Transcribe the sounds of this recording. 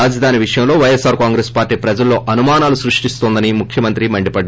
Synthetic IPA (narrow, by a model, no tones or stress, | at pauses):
aːd͡ʒɐd̪ʱaːniʋiʂɐjɐmlo̞ːʋɐjesaːɾkaːŋɡɾespaːɾʈiːpɾɐd͡ʒɐlːo̞ːʔɐnumaːnaːlusɾuʂʈist̪oːnd̪ɐnimukʰjɐmɐnt̪ɾimɐɳɖipɐɖː